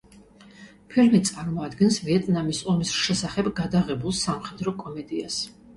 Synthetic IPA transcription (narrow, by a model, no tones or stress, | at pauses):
pʰilmit̪sʼaɾmɔad̪ɡɛnsviɛt̪ʼnamisɔmisʃɛsaχɛbɡad̪aʁɛbulˠsamχɛd̪ɾɔkʼɔmɛd̪ias